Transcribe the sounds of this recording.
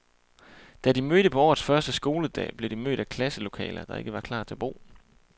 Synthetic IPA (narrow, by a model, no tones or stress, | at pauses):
d̥æd̥imøɾ̥əpʰɒ̽ɒ̰ːð̩ˠsfɶɐsd̥əsɡ̥o̝ːləd̥ɛ̰ːb̥le̝d̥imø̰ːɾ̥ækʰlæsəlo̝kʰɛ̰ːlɐd̥ɑ̈e̝ɡ̥əʋɑ̈kʰlɑ̰̈ːt͡sʰe̝æɐb̥o̝̰ː